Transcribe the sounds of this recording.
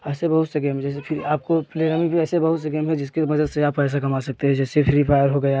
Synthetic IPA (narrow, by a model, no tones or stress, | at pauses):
ɛːsebɐɦʊt̪sɐɡemd͡ʒɛːsefʰɪɾaːp̚kopleːɾaːmibʱiɛːsebɐɦʊt̪sɐɡeːmɦɛd͡ʒɪskemɐd͡ʒəd̪seaːppɛːs̬akɐmaːsɐk̚t̪eɦɛ̃d͡ʒɛːsepʰɪɾipʰaːɪjəɾɦoɡɐja